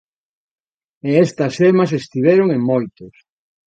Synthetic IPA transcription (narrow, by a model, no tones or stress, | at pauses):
eest̪ɐsemɐsest̪iβ̞ɛɾoŋeŋmojt̪ʊs